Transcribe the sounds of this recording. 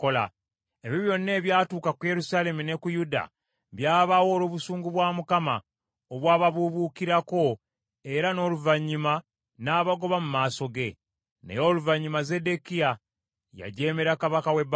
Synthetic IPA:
kola̰ | eβiβjo̞nːe̞ːβjaːtuːkakuje̞ɾusaːle̞mune̞kujuda̰ | βjaːβawo̞ːloːβusuːŋɡuβwaːmukama̰ | oβwaːβaβuβukiɾako̞ | e̞ɾano̞ːluvaɲːuma | naːβaɡo̞βamumaːso̞ɡe̞ | nḛjo̞ːluvaɲːumaze̞de̞kija | ja̰ɟe̞ːme̞ɾakaβakaweb

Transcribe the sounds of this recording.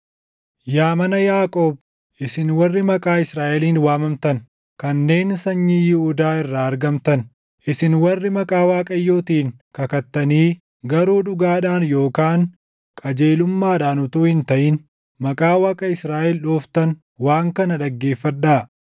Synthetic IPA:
jaːmɐnɐjaːkʼoːb | ʔɪsɪnwɐrːɪmɐkʼaːɪsɾaːʔɛliːnwaːmɐmt̪ɐn | kɐnːe̞ːnsɐɲːijɪhʊd̪aːɪrːaːɐɾɡɐmt̪ɐn | ʔɪsɪnwɐrːɪmɐkʼaːwaːkʼɐjːoːt̪iːŋkɐkɐt̪ːɐniː | ɡɐɾuːᶑʊɡaːᶑaːnjo̞ːkaːn | kʼɐd͡ʒe̞ːlʊmːaːᶑaːnʊt̪uːhɪnt̪ɐʔɪn | mɐkʼaːwaːkʼɐɪsɾaːʔɛlᶑoːft̪ɐn | waːŋkɐnɐᶑɐɡːe̞ːfːɐᶑaː

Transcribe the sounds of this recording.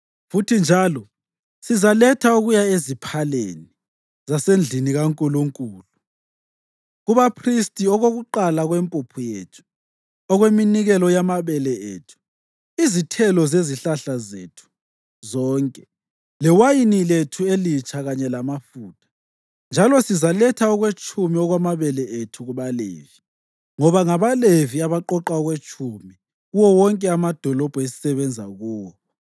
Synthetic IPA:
futʰind͡ʒʱalɔ | sizalɛtʰauɣujaezipʰalḛːni | zasend͡ɮʱiniɣaŋkʼuluŋkʼuːlu | ɣuβapʰristʼiɔɣoɣuǃalaɣwɛmpʼupʰujeːtʰu̥ | ɔɣweminiɣɛlɔjamaβɛlɛḛːtʰu̥ | izitʰɛlɔzeziɬaɬazḛtʰu̥ | zɔːŋkʼɛ | lɛwajiniletʰuelit͡ʃʼʰaɣaɲɛlamafuːtʰḁ | nd͡ʒʱalɔsizalɛtʰaɔɣwet͡ʃʼumiɔɣwamaβɛlɛʔetʰuɣuβalḛːvi | ŋɔβaŋaβaleviaβaǃɔǃaɔɣwet͡ʃʼumi | ɣuwɔwɔŋkʼɛamad̥ʱɔlɔb̥ʱesi̥sɛβɛnd͡zʱaɣuːwɔ

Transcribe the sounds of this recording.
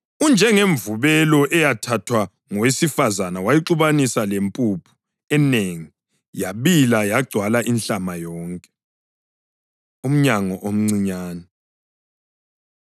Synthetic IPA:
und͡ʒʱɛŋeɱvuβɛlɔʔɛjatʰatʰwa | ŋɔwesifazanawajiǃuβanisalempʼupʰu̥ | ɛneŋi | jaβilajaɡ͡ǀʱwalaʔinɬamajɔːŋkʼɛ̥ | um̩ɲaŋɔʔom̩ŋ͡ǀiɲaːnɛ

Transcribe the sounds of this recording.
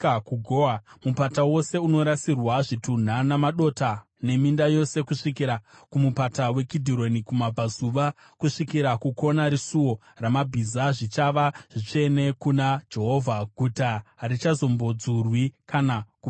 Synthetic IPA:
kuɡʱoamupatawo̞se̞uno̞ɾasirwaʐitun̤anamaɗo̞ta | ne̞mindajo̞se̞kuʂikiɾakumupatawe̞kidʱiɾo̞nikumab͡vʱazuʋa | kuʂikiɾakukʰo̞naɾisuwo̞ | ramabʱizaʐit͡ʃaʋaʐ̥it͡ʃe̞ne̞kunad͡ʒe̞ɦo̞vʱaɡʱutarit͡ʃazo̞mbo̞d͡zurwikanaku

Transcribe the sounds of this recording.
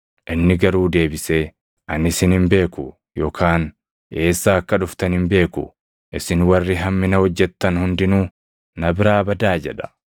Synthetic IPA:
ʔɪnːɪɡɐɾuːd̪e̞ːbɪseː | ʔɐnɪsɪnhɪmbe̞ːkʊ | jɔkʰaːn | e̞ːsːaːɐkːɐᶑʊft̪ɐnɪmbe̞ːkʊ̰ | ʔɪsɪnwɐrːɪɦɐmːɪnɐhɔd͡ʒːɛt̪ːɐnhʊnd̪ɪnuː | nɐbɪɾaːbɐd̪aːd͡ʒɛᶑɐ̥

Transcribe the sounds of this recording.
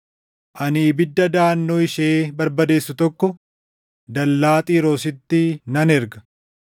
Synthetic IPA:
ʔɐniːbɪd̪ːɐd̪aːnːoːɪʃeːbɐɾbɐd̪e̞ːsːʊt̪ɔkːɔ | d̪ɐlːaːt̪ʼiːɾoːsɪt̪ːɪnɐnɛɾɡɐ

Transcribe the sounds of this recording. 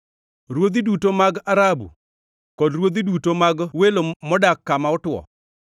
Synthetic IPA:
ɾwod̪idutomaɡaɾabṵ | kɔdɾwod̪idutomaɡwelomɔdakːamaʊtwɔ̰

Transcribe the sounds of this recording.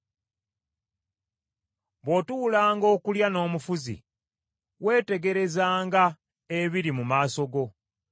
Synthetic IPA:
βwo̞tuːlaːŋɡo̞ːkuljano̞ːmufuzḭ | we̞ːte̞ɡe̞ɾe̞zaːŋɡa | eβiɾimumaːso̞ɡo̞

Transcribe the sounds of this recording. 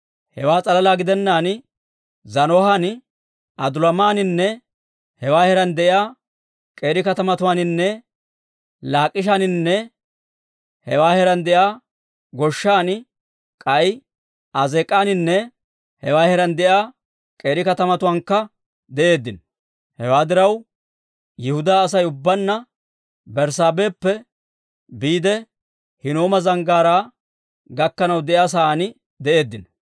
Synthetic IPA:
hɛwaːt͡sʼɐlɐlaːɡɪd̪ɛnːaːn | zɐnɔhɐn | ʔɐd̪ʊlɐmaːnɪnːɛ | hɛwaːhɛɾɐnd̪ɛʔɪaː | kʼe̞ːɾɪkɐt̪ɐmɐt̪ʊwaːnɪnːɛ | laːkʼːɪʃ̬anɪnːɛ | hɛwaːhɛɾɐnd̪ɛʔjaː | ɡɔʃːaːn | kʼɐj | ɐzɛkʼːaːnɪnːɛ | hɛwaːhɛɾɐnd̪ɛʔaː | kʼe̞ːɾɪkɐt̪ɐmɐt̪ʊwɐːŋkːɐ | d̪ɛʔe̞ːd̪ːɪn | hɛwaːd̪ɪɾɐw | jɪhʊd̪aːs̬ɐjʊbːɐnːɐ | bɛɾsaːbe̞ːpːɛ | biːd̪ɛ | hɪnoːmɐzɐŋɡaːɾaː | ɡɐkːɐnɐwd̪ɛjaːs̬aːnɪ | d̪ɛʔe̞ːd̪ːɪn

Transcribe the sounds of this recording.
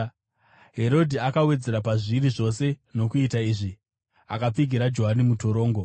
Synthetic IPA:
ɦe̞ɾo̞dʱiakawe̞d͡ze̞ɾapaʐiɾiʐo̞se̞no̞kuitaiːʐi | a̰kap͡fiɡʱiɾad͡ʒo̞ɦanimuto̞ɾo̞ːŋɡo̞

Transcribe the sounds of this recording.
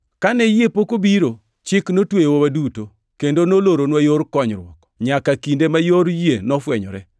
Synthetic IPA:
kanɛjepokobiɾo | t͡ʃɪknotwejwowaduto | kendonoloɾonwajoɾkɔɲɾwɔ̰k | ɲakakindemajoɾjenɔfwɛɲɔ̰ɾɛ

